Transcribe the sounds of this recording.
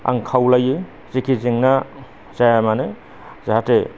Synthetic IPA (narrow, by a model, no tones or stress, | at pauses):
a̰ŋkʰawlaje | z̥ikʰiziŋna | z̥ajamane | z̥aɦate